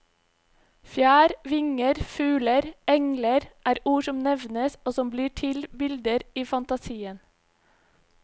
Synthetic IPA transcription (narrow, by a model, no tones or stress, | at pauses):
fjæːɾʋɪŋəɾfʉːləɾɛŋləɾʔæːɾuːʃɔmnɛʋnəsoːsɔmbliːʈʰɪlbɪld̪əɾiːfɑnt̪ɑsiːən